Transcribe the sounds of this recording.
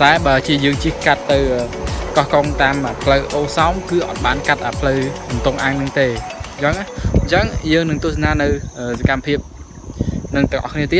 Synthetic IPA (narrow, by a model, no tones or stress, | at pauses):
taɛɓaːt͡ɕiəjəːŋt͡ɕihkat̪ːɨwəːkɑhkoŋt̪aːmʔəːpʰləwʔoːsaɔmkɨːʔɑ̰t̪̚ɓaːnkat̪̚ʔaːpʰləwɓɑnt̪oŋʔaːŋnɨŋt̪eːt͡ɕəŋaɲt͡ɕəŋjəːŋnɨŋt̪ʊ̆əsanaːnɨwʔəːsakamːəpʰiəp̚ | nɨŋt̪ʊ̆əŋʔɑ̰hkʰniət̪iət̪̚